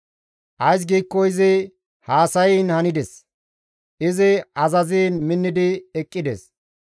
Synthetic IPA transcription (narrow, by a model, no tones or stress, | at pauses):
ʔɐjs̬ɡiːkːɔɪzɪ | haːsɐjinhɐnɪd̪ɛs | ʔɪzɪɐzɐziːnmɪnːɪd̪ɪɛkʼːɪd̪ɛ̰s